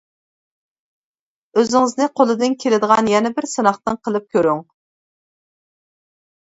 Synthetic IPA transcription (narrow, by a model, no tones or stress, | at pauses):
øzɪŋɪznɨqʰolˠɨd̪ɨnkʲʰelɪd̪əʁɑnjɛnɛbɪɾsɨnɑχt̪ɨnqʰəlˠɨp̚kʲøɾyŋ